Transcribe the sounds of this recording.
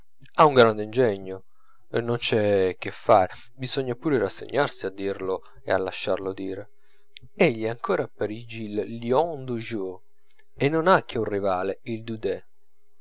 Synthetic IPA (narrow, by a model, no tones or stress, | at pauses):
auŋɡɾand̪ind͡ʒɛɲːo | nont͡ʃɛk̟ːefːaːɾe | bizɔɲːapuːɾɪɾasːḛɲːarsiad̪ːiɾlʊ | ḛa̰lːaʃːarlʊd̪iːɾe | eʎːɛaŋkɔːɾapːaɾid͡ʒilːjɔnd̪uʒu | enːonak̟ːeunrivaːleild̪ud̪ɛ